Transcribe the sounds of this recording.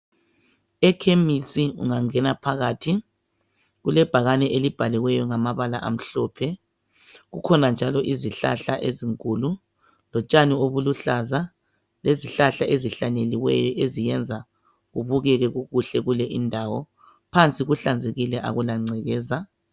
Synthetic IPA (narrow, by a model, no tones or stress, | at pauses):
ɛkʰemisiṵŋaŋɛnapʰaɣaːtʰi | ɣulɛb̥ʱaɣanɛʔelib̥ʱaliwɛjɔŋamaβalaʔa̰m̩ɬɔpʰɛ | ɣukʰɔnand͡ʒʱalɔʔiziɬa̰ɬaʔeziŋkʼulu | lɔt͡ʃʼanioβuluɬaza | leziɬaɬaʔeziɬaɲeliwɛjɔʔezijɛnd͡zʱa | ɣuβuɣɛɣɛɣuɣuɬɛɣulɛʔindʱawɔ | pʰant͡sʼiɣuɬand͡zʱeɣilɛʔa̰ɣulaŋ͡ǀʱɛɣɛːza